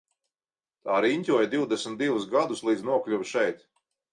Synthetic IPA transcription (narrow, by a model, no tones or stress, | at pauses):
t̪aːɾinʲtʲuɔjd̪iwd̪ɛsmʲt̪d̪ivus̬ɡad̪uslˠiːd̪znuɔklʲuvʃɛjt̪